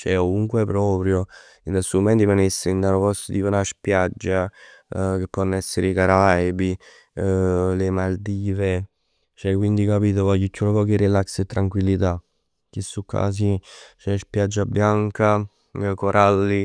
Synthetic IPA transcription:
t͡ʃɛkovuŋkwepɾɔːpɾjo | inasumɛnt̪imanesind̪anopɔst̪ot̪iːponaspjad͡ʒːa | k̟epːɔnːɛsːeɾeikaɾajbi | lemald̪iːve | t͡ʃɛkːwind̪ikapiːt̪̬ovakicːunopɔːk̟iɾilakset̪ːɾaŋkwilːit̪a | k̟isːukʰːa̰ːs̬it͡ʃɛspjad͡ʒːabːjaŋka | koɾʔalːi

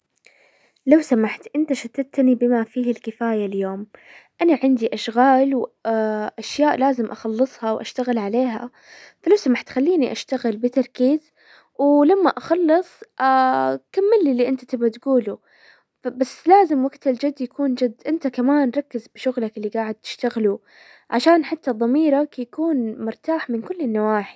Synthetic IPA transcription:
lawsamaħt̪ʔɪnt̪aʃat̪ːad̪̚t̪nibɪmafiːhɪlkɪfaːjaljoːm | ʔanaʕɪnd̪iʔaʃɣaːlw | ʔaʃjaːʔlaːzɪmʔaxɑlːɨsˤhɑwʔa̰ʃt̪aɣɪlʕaleːɦa̰ | falawsamaħt̪xalːiːniʔaʃt̪aɣɪlbɪt̪ɑɾˤkiːz | wlamːaʔaxɑlːɨsˤakamːɪlːilːiʔɪnt̪ḁt̪ɪbat̪ɡuːlu | basːlaːzɪmwaɡt̪ɪld͡ʒad̪ːjakʰuːnd͡ʒad̪ːʔɪnt̪akamaːnɾˤɑkːɪzbɪʃʊɣlakɪlːiɡaːʕɪd̪̚t̪ɪ̥ʃt̪aɣlu | ʕaʃaːnħat̪ːad̪ˤːɑmiːɾɑkjakuːnmʊɾt̪aːħmɪnkʊlːɪnːawaːħi̥

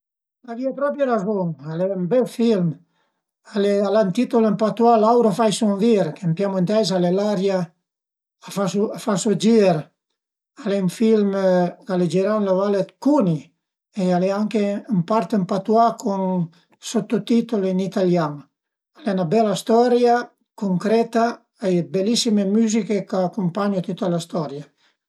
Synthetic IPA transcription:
laviapɾɔpɾjeɾazoŋalɛmbɛlfilm | alealant̪it̪olempat̪ualawɾafajsuɱviɾkempjamoent̪ɛz̬alelaɾjaː | fasuafasod͡ʒiɾ | alɛuɱfilmkaled͡ʒiɾawnlavalet̪kuni | ealɛaŋkeumpaɾt̪empat̪uakʰon | sot̪ːot̪it̪olinit̪aljaŋ | alɛnabɛlːast̪ɔɾja | koŋkɾɛt̪a | ajbelːisimemyzikekaːkːompaɲot̪ut̪ːalast̪ɔɾja

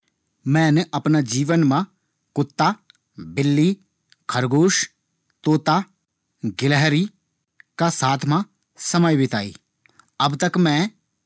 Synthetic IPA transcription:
mɛ̃ːnʔɐpnad͡ʒiːʋənmã | kʊt̪ːa | bɪlːi | kʰɐɾɡoːʃ | t̪oːt̪a | ɡɪlɦɾi | kasaːt̪ʰmã | sɐməjbɪt̪a̰ːḭː | ɐbt̪əkmɛ̃ː

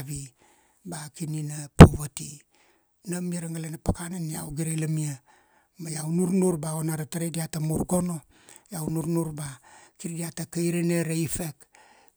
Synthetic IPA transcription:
βi | bakininapoβati | namiaɾaŋalenapakanania̰wɡiɾelamia | majawnuɾnuɾbaonaɾataɾediatamuɾɡo̞no̞ | jawnuɾnuɾbakiɾdiatakajɾeneɾeifek

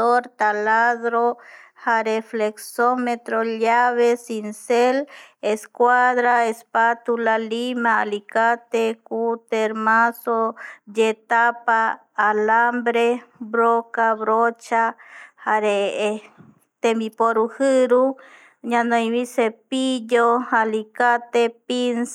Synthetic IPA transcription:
oɾt̪alaðɾo | haɾefleksomet̪ɾoʎaβesinseleskwaðɾaespat̪ulalimaːlikat̪ekut̪eɾmasod͡ʒet̪apaː | lambɾebɾokaβɾot͡ʃahaɾe | t̪embipoɾuhɨɾu | ɲãnojβisepiʎohalikat̪epins

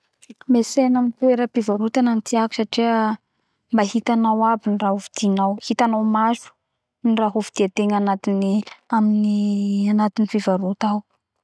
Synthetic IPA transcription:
mesenamint̪ueɾəfivaɾut̪ananit̪ʰiaku̥saʈ͡ʂiə | mbaɦit̪anawabiniraɦuvid̪̥inawhit̪anawmazu̥ | niraɦuvid̪̥iat̪eŋanat̪iniaminianat̪inifivaɾut̪aw

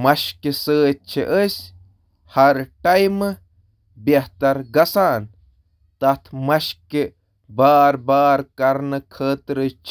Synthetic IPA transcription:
mɐʃkisəːt̚t͡ʃʰiʔəsʲ | hɐɾʈɐjmɨ | beht̪ɐɾɡɐsaːn | t̪ɐt̪ʰmɐʃki | baːɾbaːɾkɐɾnɨkʰəːt̪ɾɨt͡ʃʰ

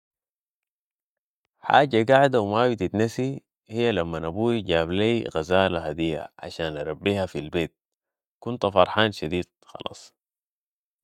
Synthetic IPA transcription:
ħa̰ːɟaɡaʕd̪awmabit̪it̪nasi | hijːalamːanabuːɟaːbleːɣazaːlaɦad̪ijːa̰ʕa̰ʃaːnʔɑɾˤɑbːiːhafilbeːt̪̚ | kunt̪afɑɾˤħaːnʃad̪iːd̪̥̚xɑ̰lɑ̰ːsˤ

